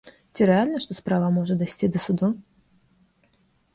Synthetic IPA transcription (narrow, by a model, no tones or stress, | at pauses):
t͡sʲiɾɛalʲnɐʂt̪ɔspɾavəmɔʐɨd̪asʲt͡sʲid̪əsʊd̪u